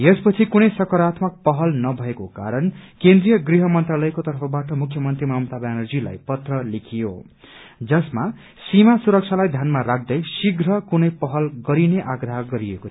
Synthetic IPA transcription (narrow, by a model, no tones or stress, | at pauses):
jespʌt͡sʰikunʌjsʌkʌɾat̪ʰmʌk̚pʌɦʌlnʌbʱʌekokaɾʌnkend̪rijʌɡriɦʌmʌnt̪ralʌjkot̪ʌrpʰʌbaʈʌmukʰjʌmʌnt̪rimaɦmt̪abanʌrd͡zila̰jpʌt̪rʌlikʰijo̰ | d͡zʌsma | simasuɾʌk̚t͡ʃʰalajd̪ʱjanmaɾak̚ʰd̪ʌjsiɡɾʌkunʌjpʌɦʌlɡʌɾineʔaɡrʌɦʌɡʌɾieko